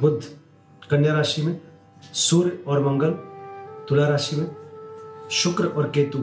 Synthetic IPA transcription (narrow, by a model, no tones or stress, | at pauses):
bʊd̪ʱː | kənjaːɾaːʃimẽ | suːɾɔːɾmɐ̃ŋɡəlt̪ʊlaːɾaːʃimẽ | ʃʊkɾəʔɔːɾkeːt̪u